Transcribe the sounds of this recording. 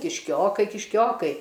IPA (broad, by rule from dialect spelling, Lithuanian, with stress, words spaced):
kʲɪʃʲˈkʲoːkɐɪ kʲɪʃʲˈkʲoːkɐɪ